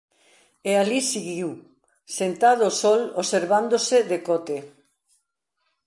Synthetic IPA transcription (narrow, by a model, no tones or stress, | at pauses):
ealisiɣiw | sent̪að̞osɔloseɾβand̪oseðekɔt̪e